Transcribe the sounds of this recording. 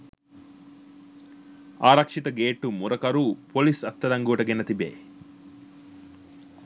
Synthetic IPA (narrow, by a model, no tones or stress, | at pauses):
aːɾɐkʂit̪ɐɡeːʈːumuɾɐkɐɾupolisɐt̪ːɐɾɐŋɡuːʈɐɡinːɐt̪ibḛː